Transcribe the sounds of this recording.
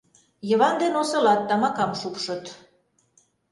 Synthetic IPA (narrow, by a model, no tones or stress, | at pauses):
jɤ̆βɑnd̪enosɤ̆lɑt̪ːɑmɑkɑmʃupʃɤ̆t̪